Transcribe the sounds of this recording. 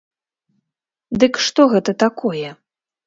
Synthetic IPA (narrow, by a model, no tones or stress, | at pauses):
d̪ɨkʂt̪ɔɣɛt̪ɐt̪akʰɔjɛ